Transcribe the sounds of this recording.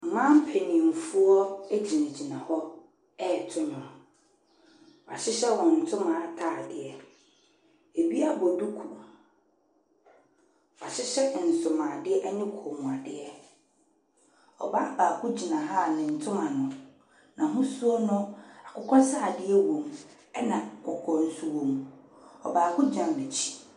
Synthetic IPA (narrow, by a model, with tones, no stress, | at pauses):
m̩˨mã˦m̩˦pʰe˨nĩ˨m̩˨fu˦ɔ˦e˦d͡ʑi˨nã˨d͡ʑi˨nã˨hɔ˦ | ɛ˦˨tʰʊ˦nʊ̃˨ | ɔ˨a̰˨ɕɪ˦ɕɛ˦wɔ̃˨n̩˨tʰʊ̃˦mã˨a˨tʰaː˦˨dɪ˨ɛ˨ | e˨bi˦a˦˨bɔ˨du˦kʰu˨ | a̰˨ɕɪ˦ɕɛ˦˨n̩˨sʊ˨mãː˨dɪ˦ɛ˦ʔa˦ɲɪ̃˦kʰo˨mũ˨a˨dɪ˨ɛ˦ | ɔ̰˨ba˦˨baː˨kʰʊ˦d͡ʑi˨nã˨ɦa˦˨nɪ̃˨n̩˨tʰʊ̃˦mã˨nʊ̃˨ | nã˨ɦʊ̃˦su˦o˦nʊ̃˦a˨kʰʊ˦kʰɔ̃˦saː˦˨dɪ˦ɛ˦wõ˨m | ɛ˦nã˨kʰɔ˨kʰɔ̃˨n̩˨su˨wõ˨m | ɔ̰˨baː˨kʰʊ˦d͡ʑã˨m˨be˨t͡ɕʰi̥˦